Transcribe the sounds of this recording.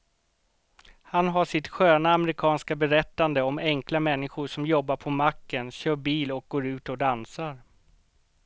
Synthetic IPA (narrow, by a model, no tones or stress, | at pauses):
hanɦaʂɪt̪ɧøːnaːmɛɾɪkʰɑːnskabɛɾɛt̪ːand̪əɔmɛŋklamɛnːɪɧʊʂɔmjɔbːaɾpʰɔmakːənɕøːbiːlɔk̚ɡ̥oːɾʉ̟ːt̪ɔd̪ansaɾ